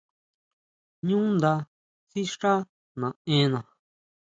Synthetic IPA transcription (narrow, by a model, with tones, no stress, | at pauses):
ɲũ˦nd̪a˧ | si˦ʂa˦ | nã˨ẽ˦nã˨